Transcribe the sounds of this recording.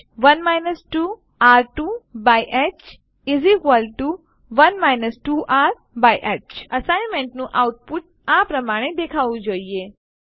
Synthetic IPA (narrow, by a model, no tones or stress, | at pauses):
ʋənmajnəsʈu | aɾʈubajʔɛt͡ʃ | izikʋəlʈu | ʋənmajnəsʈuʔaɾ | bajʔɛt͡ʃəsajnmẽɳʈnũʔawʈ̚puʈ̚apɾəmaɽ̃ed̪ekʰaʋũd͡ʒoie